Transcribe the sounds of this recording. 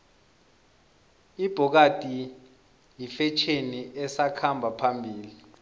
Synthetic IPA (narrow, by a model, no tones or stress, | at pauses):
ib̥ʱɔk̬ad̥ʼʱi | jifɛt͡ʃʰeniʔɛsakʰambʱapʰambʱiːli